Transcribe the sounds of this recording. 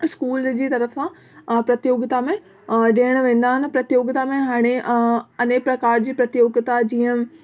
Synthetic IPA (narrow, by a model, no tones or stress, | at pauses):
skuːld͡ʑiːt̪ɐɾəfsã | pɾɐt̪joːɡɪt̪amẽ | ɗeːəɽ̃ʋẽːn̆d̪aːɦɪnɪ̆pɾɐt̪joːɡt̪amẽɦaːɽ̃eɐneːpɾɐkaːɾd͡ʑiːpɾɐt̪joːɡt̪ad͡ʑiːə̃